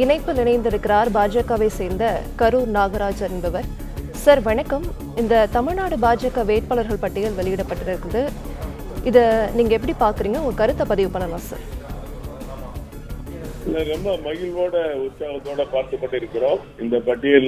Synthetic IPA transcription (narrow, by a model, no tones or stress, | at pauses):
ɪnɐɪpːɯlɪɳɐɪnd̪ɪɾɯkːɪɾaːɾbaːd͡ʒɐkːaːʋeːseːɾnd̪ɐkɐɾuːɾnaːɣɐɾaːd͡ʒɐɾɪnbɐʋɐɾ | sɐɾʋɐɳɐkːɐm | ɪnd̪ɐt̪ɐmɪɻnaːɽɯbaːd͡ʒɐkːaːʋeːʈ̚paːlɐɾɣɐɭpɐʈːɪjɐɭʋɛlɪjɪɽɐpːɐʈːɪɾɐɾɯkːɯɾɐðɯ | ʔɪðɐniːŋɡɐɛpːɐɽipaːɾkɯɾiːŋɡɐʊŋɡɐkɐɾɯt̪ːɐpɐðɪʋɯpːɐnːɐlãːsɐ̰ɾ | lːɐɾɔmbɐmɐɣɪlʋoːɽɐʊtsaːɣɐt̪ːoːɽɐpaːɾt̪ɯpːɐʈːɯɪɾɯkːɪɾõː | ɪnd̪ɐpɐʈːɪjɐ